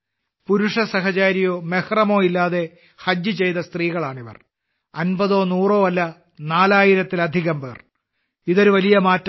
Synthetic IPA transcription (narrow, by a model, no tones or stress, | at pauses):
puɾuʂɐsɐɦɐt͡ɕaːɾijo̞ːmehrɐmo̞ːilːaːðe̞ | hɐd͡ʑjɨt͡ɕe̞jt̪ɐst̪riːɣɐɭaːɳiʋɐ̰r | ɐnbɐðo̞ːnuːro̞ːɐlːɐ | naːlaːjiɾɐt̪ːilɐd̪ʱiɣɐmbeːr | iðo̞ɾuʋɐlijɐmaːtː